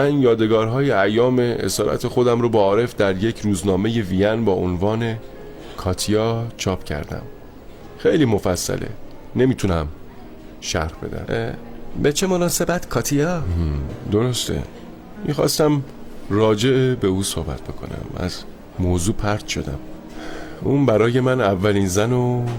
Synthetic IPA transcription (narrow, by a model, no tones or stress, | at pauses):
mænjɒːd̪e̞ɡɒːɾɦɒːjeæjːɒːme̞ḛsɒːɾʔæ̰t̪ʰe̞xo̞d̪æmɾobɒːɾe̞fd̪æɾje̞cʰɾuːznɒːme̞je̞vijænbɒːʔonvɒːne̞ | kʰɒːt̪ʰijɒːt͡ʃʰɒːpʰcʰæ̰ɾd̪æ̰m | xejliːmo̞fæsːæ̰lʔḛne̞miːt̪ʰunæm | ʃæ̰ɾhb̥e̞̰d̪æ̰mbet͡ʃʰe̞mo̞nɒːse̞bæt̪kʰɒːt̪ʰijɒː | d̪o̞ɾo̞st̪ʰḛ | mḭxɒ̰ːst̪æmrɒːd͡ʒe̞ebe̞uːsohbæ̰t̪̚ʰbe̞̰kʰo̞̰næ̰mæ̰z | moːzuːpʰæɾd̪̥ʃo̞̰d̪æ̰m | uːnbæɾɒːje̞mænævːæliːnzæno